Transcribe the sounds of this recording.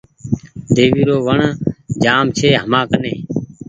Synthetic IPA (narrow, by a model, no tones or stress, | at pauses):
d̪eːʋiːɾoːʋəɳd͡ʒaːmt͡ʃʰeːɦəmãːkənẽː